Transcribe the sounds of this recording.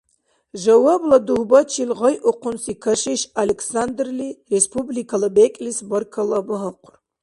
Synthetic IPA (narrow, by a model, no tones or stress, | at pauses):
ʒɐwɐblɐduhbɐt͡ʃʰilʁɐjʔʊqʷʰʊnsikʰɐʃiʃalekʰsand̪rlirespʰublikʰɐlɐbekʲʼlisbɐrkʰɐlɐbɨɦɐqʷʰʊr